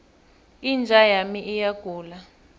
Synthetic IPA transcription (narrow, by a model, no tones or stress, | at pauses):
ind͡ʒʱajamiʔijaɡ̥ʱuːla